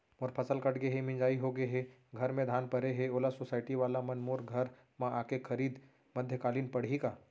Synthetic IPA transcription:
moːɾpʰɐsəlkɐʈɡeɦemɪ̃nd͡ʒaːiɦoɡeɦeɡʱɐɾmẽd̪ʱaːnpɐɾeɦeoːlasosaːɪʈiʋaːlamɐnmoːɾɡʱɐɾ | mãʔaːkekʰəɾiːd̪ | mɐd̪ʱjəkaːliːnpɐɽ̤ɦikaː

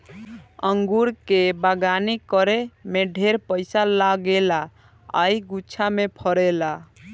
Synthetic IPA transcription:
əŋɡuɾkebaɡanikəɾemeɖʱeɾpəɪsalaɡela | a̰jɡutːt͡ʃʰamepʰəɾɛla

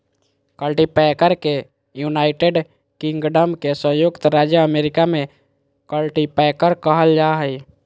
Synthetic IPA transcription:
kəlʈipɛkəɾke | junaɪʈeɖ | kĩŋɡɖəmkesə̃jukt̪ɾad͡ʒjəəmeɾɪkamẽ | kəlʈipɛkəɾkəɦəld͡ʒaɦəj

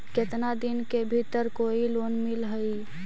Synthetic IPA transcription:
ket̪nad̪inkebʱit̪əɾkoilonmilɦəi

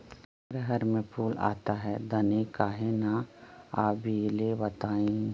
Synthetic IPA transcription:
ɾɦəɾmẽpʰuːla̰ːt̪aɦɛd̪ɐnekaːɦenaaːbʱilebɐt̪aːẽ

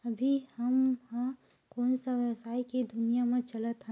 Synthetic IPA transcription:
ɐbʱihɐmhã | koːnsaʋəsaːikid̪ʊnijamẽt͡ʃɐlət̪ɦɛ̃

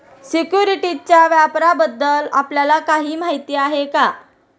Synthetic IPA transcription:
sikjuɾiʈit͡ɕjaʋjapɾabəd̪ːəlapljalakaɦiːm̤aɦit̪iːaɦeka

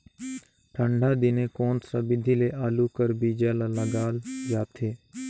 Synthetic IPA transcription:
ʈʰə̃ɳɖʱaːd̪ɪnẽkoːnsəbɪd̪ʱileːʔaːlukəɾbʱiːd͡ʒaːlaləɡaːld͡ʒaːt̪ʰeː

